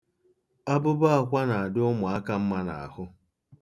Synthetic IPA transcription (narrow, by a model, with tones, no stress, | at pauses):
a˦bʊ˦ba˦a˨kʷa˦na˨a˨dɪ˦ʊ˦mʊ˨a˦ka˦m̩˦ma˦na̰˨a̰˨hʊ˦